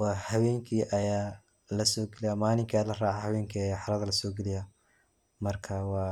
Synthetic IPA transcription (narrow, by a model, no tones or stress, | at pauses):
wɑːhɐβɛːŋkʰiːʔɐjaː | lɐsɔːɡɛlɪjamaːlɪŋkʰaːlɐraːʕahɐβɛːŋkʰːħɑɾɐðɐlɐsɔːɡɛlɪja | mɐrkʰɐwɑː